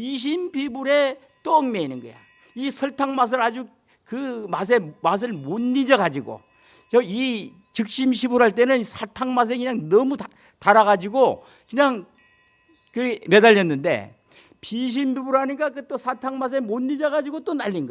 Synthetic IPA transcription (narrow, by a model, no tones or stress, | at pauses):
piɕ̬ʰimbibuɾe̞ | t͈oːŋme̞inɯnɡʌ̰jo̰ | isʰʌɭtʰaŋmas̬ʰɯɾad͡ʑu | kɯmas̬ʰe̞mas̬ʰɯɭmonːid͡ʑaɡad͡ʑiɡo̰ | t͡ɕʌi | t͡ɕɯk̚ɕ͈imɕ̬ʰibuɾɦaɭt̬͈e̞nɯnsʰatʰaŋmas̬ʰe̞kɯɲaŋnʌmu | taɾaɣad͡ʑiɡo | kɯɲaŋ | kɯme̞daʎːʌnːɯnde̞̰ | piɕ̬ʰimbibuɾaɲik̬͈akɯt͈osʰatʰaŋmas̬ʰe̞monːid͡ʑʌɡad͡ʑiɡot͈onaʎːiŋɡʌ